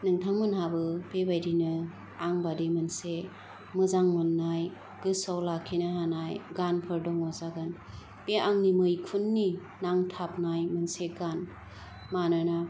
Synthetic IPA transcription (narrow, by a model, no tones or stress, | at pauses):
nɯŋtʰaŋmɯnhabɯpebajdinɯ | aŋbadimɯnse | mɯzaŋmɯnːaj | ɡ̥ɯsawlakʰːinaɦanajɡanpʰɯɾdɔŋɔzaɡɯn | peʔaŋnimɯjkʰunːi | naŋtʰap̚najmɯnseɡan | manɯna